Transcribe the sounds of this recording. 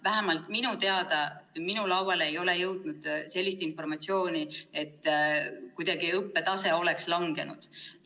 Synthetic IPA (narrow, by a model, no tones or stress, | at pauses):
væɦæmɑlt̪minut̪e̞ɑd̪ɑminulɑwwɑle̞jo̞le̞jɤwd̪̥nud̪̥se̞lʲːist̪info̞rmɑt̪sio̞ːnie̞t̪ːkujd̪̥ɑɡ̥iɤpːe̞t̪ɑse̞o̞lekslɑŋɡ̥e̞̰nṵd̪̥